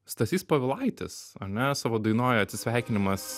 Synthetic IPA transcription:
st̪ɐsʲiːspɐʋʲɪlˠɐɪt̪ʲɪ̰sɐɾnʲɛsɑːʋoːd̪ɐɪnoːjoɐt̪ʲsʲɪsʲʋʲɛˑɪkʲɪnʲɪmɐs

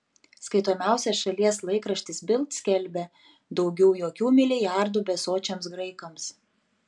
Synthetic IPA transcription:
skɐɪt̪oːmʲæˑʊsʲɛsʃɐlʲiɛslˠɐɪkɾɐʃʲt̪ʲɪsbʲɪlˠt̪sʲkʲɛlʲbʲɛ | d̪ɒʊɡʲɛʊjoːkʲuːmʲɪlʲɪjæˑɾd̪uːbʲɛsoːt͡ʃʲɛmsɡɾɐɪkɐms

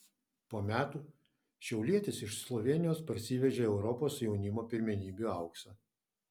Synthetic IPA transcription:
poːmʲæːt̪uː | ʃʲɛʊlʲiɛt̪ʲɪsɪʃslˠɔʋʲeɛnʲɪjoːspɐɾʲsʲɪʋʲɛʒʲeːɛʊɾɔpoːsjɛʊnʲɪmoːpʲɪɾʲmʲɛnʲiːbʲuːɐʊksɐ

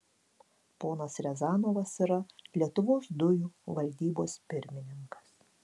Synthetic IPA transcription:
poːnɐsɾʲɛzɑːnoːʋɐsiɾɐlʲiɛt̪ʊʋoːsd̪ʊjuːʋɐlʲd̪ʲiːboːspʲɪɾʲmʲɪnʲɪŋkɐ̥s

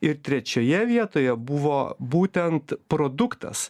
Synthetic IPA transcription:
ɪɾt̪ʲɾʲɛt͡ʃʲoːjɛʋʲiɛt̪oːjɛbʊʋoːbuːt̪ʲɛnt̪pɾoːd̪ʊkt̪ɐ̰s

